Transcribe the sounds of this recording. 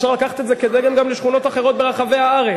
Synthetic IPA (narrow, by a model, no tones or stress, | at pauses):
ʃaʁlakaχat̪et̪zeked̪eɡemɡamleʃχuno̞t̪aχeʁo̞t̪̚be̞ʁaχave̞jaaʁe